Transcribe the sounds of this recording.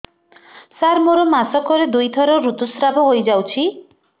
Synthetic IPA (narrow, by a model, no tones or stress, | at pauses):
saɾmoɾɔmasɔkɔɾed̪ujt̪ʰɔɾɔɾut̪usɾabʱɔɦojd͡ʒawt͡ʃʰi